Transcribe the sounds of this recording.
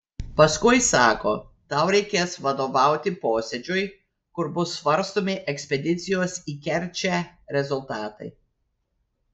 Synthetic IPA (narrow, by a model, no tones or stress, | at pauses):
pɐskʊɪsɑːkoːt̪ɑˑʊɾʲɛɪkʲeːsʋɐd̪oːʋɑˑʊt̪ʲɪpoːsʲɛd͡ʒʲʊj | kʊɾbʊsːʋɐɾst̪oːmʲɪʔɛksʲpʲɛd̪ʲɪt̪sʲɪjoːsiːkʲɛɾʲt͡ʃʲæɾʲɛzʊlˠt̪ɑːt̪ɐɪ